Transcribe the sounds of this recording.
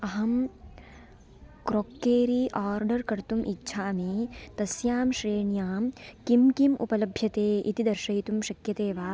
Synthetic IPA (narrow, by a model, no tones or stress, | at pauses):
ɐɦɐm | kɾoːkːeːɾiːʔaːɾɖɐɾkɐɾt̪umʔitːʃʰaːmit̪ɐsjaːmʃɾeːɳjaːmkimkimṵpɐlɐbʱjɐt̪eːḭt̪id̪ɐɾʃɐjt̪umʃɐkjɐt̪eːʋaː